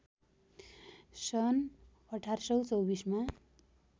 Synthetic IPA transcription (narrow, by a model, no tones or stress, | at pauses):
sʌn | ʌʈʰarsʌwt͡sʌwbisma